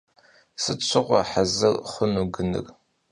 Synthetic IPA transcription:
sɨt͡ɕʷʰɨʁʷɑ̰ħazɐrχʷʊnuɡɨnɨ̰r

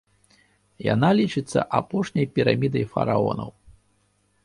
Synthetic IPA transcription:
ja̰nalʲit͡ʂɨt̪sːɐ̰ʔapɔʂnʲɐjpʲiɾamʲid̪ɐjfɐ̰ɾaɔ̰nɐ̰w

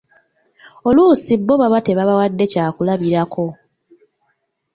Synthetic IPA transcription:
oluːsibːo̞βaβate̞βaβawadːe̞caːkulaβiɾakʰo̞

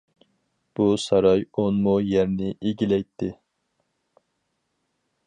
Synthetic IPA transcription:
b̥usɑɾɑjonmujɛɾnɪʔeɡʲilɛjt̪ʰːɪ

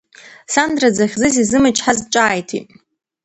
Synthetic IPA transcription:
sandrad͡zaχʲzɨs̬izɨmɨt͡ʃʰʼħazt͡ʃʷʼaːjtʰḭtʼ

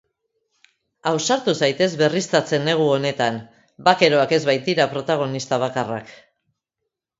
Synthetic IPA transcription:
awsaɾt̪usajt̪e̞zβe̞rist̪at͡se̞ne̞ɣ̞uo̞ne̞t̪an | bake̞ɾo̞ake̞zβajt̪iɾapɾo̞t̪aɣ̞o̞nist̪aβ̞akara̰k

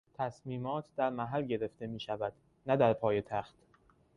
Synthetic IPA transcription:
t̪ʰæsmiːmɒːt̪ʰd̪æɾmæɦælɟe̞ɾe̞ft̪e̞miːʃævæd̪̥ | næd̪æɾpʰɒːje̞t̪ʰæxt̪

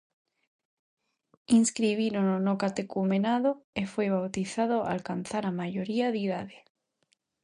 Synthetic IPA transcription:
inskɾiβ̞iɾononokat̪ekumenaðoefojβ̞awt̪iθað̞oa̰lkan̟θaɾamajoɾiaðiðaðe

